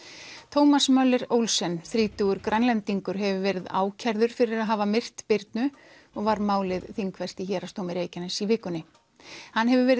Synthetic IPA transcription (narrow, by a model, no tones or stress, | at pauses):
t̪ʰowmasmœlːɪɾowlsɛnθɾiːt̪uɣʏɾkɾʔajnlɛnt̪iŋkʏɾ̥ɦɛvʏvɛɾɪða̰ːwcʰɛɾðʏɾ̥fɪɾɪɾaðɦaːvamɪr̥t̪pɪɾt̪nʏ | ɔɣvaɾmaːwlɪðθiŋkʰvɛst̪içɛːɾast̪owmɪɾeːjcanasivɪːkʏnːɪ | hanːɦɛvʏvɛɾɪ